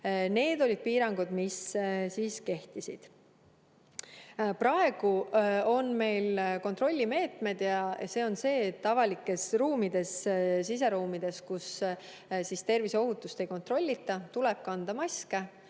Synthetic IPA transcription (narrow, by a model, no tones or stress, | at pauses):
ne̞ːd̪̥o̞lʲid̪̥̚piːɾɑŋɡ̥ud̪̥missiːske̞ht̪isid̪̥ | pɾɑe̞ɡ̥uo̞nme̞jlko̞nt̪ro̞lʲːime̞ːt̪me̞d̪jɑse̞ːo̞nse̞ːt̪ːɑvɑlikːˑe̞sruːmid̪̥e̞ssis̬e̞ɾuːmid̪̥e̞skus | sist̪e̞rviso̞ɦut̪ːˑust̪e̞jko̞nt̪ro̞lʲːit̪ːˑɑt̪uleb̥̚kɑnd̪̥ɑmɑske